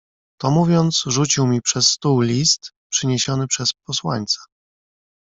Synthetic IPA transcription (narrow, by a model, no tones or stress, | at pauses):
t̪ɔmuvʲjɔnt̪sʐut͡ɕiwmʲipʂɛsːt̪uwlʲist̪ | pʂɘɲeɕɔnɘpʂɛspɔswa̰ɲt̪sɛ̥